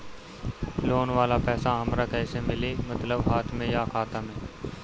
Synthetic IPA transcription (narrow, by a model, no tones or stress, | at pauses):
loːnʋaːlaːpɛːsaɦəmɾaːkɛːsemɪleːmət̪ləbɦaːt̪ʰmẽjaːkʰaːt̪ãːmẽː